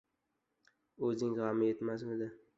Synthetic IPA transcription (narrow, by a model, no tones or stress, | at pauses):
ɵzɪŋʁamɪjet̪masmɪd̪ɪ